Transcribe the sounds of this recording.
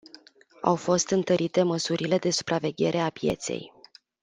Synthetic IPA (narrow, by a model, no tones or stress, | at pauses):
a̰wfo̞st̪ɨnt̪əɾʔit̪e̞məsuɾile̞d̪e̞su̥pɾʔave̞ɡʲe̞ɾʔe̞apje̞̰t̪se̞̰j